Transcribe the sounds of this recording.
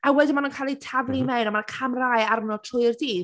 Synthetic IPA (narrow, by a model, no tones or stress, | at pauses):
awɛdimanunkʰaːlˠitʰavlˠimɛwnamanakʰamrajarmnɔtʰrʊjrdiː